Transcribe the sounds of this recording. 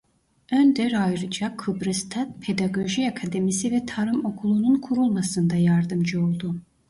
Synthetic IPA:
ønd̪ɛɾajɾɯd͡ʒakʰɯbɾɯst̪ʰat̪pʰe̞d̪aɡo̞ʒiakʰad̪emisivɛt̪ʰaɾɯmo̞kʰulˠununkʰuɾulˠmasɯnd̪ajaɾd̪ɯmd͡ʒɯo̞lˠd̪u

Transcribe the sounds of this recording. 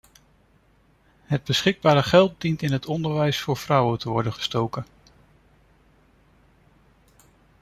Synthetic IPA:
ɦəd̚bəsχɪɡ̚baːɾəχɛlˠt̚dintɪnɦətɔndəɹʋɛjsfʊːɹv̥rʌwətəʋɔɹdənχə̥stowkən

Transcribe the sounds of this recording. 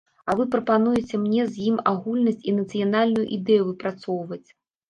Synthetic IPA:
ɐvɨpɾɐpanujɛt͡sʲɛmnʲɛzʲjimaɣulʲnɐsʲt͡sʲinɐt̪sɨjanalʲnujṵʔid̪ɛjuvɨpɾat̪sɔwvɐt͡sʲ

